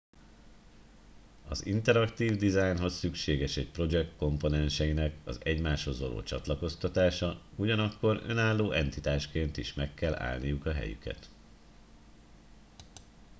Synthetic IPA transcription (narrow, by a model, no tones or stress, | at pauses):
ɒ̰zḭnt̪ɛɾɒkt̪iːvd̪izajnɦo̞sːykʃeːɡɛʃɛc̚pro̞d͡ʒɛkt̪ko̞mpo̞nɛnʃɛjinɛkɒzɛɟmaːʃho̞zʋɒlo̰ːt͡ʃɒ̰t̪lɒko̞st̪ɒt̪aːʃɒuɟɒnɒkːo̞ɾø̞̰naːlːoːʔɛnt̪it̪aːʃkeːnt̪iʃmɛkːɛlːa̰ːlnijukɒɦɛ̰jy̰kɛ̰t̪